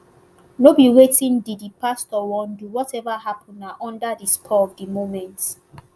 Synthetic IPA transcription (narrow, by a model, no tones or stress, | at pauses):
nobiwetĩndidipastɔwɔ̃nduwɔtɛvaɦapɔ̃naʔɔ̃ndadiskʰɔɔvdimomɛ̃nt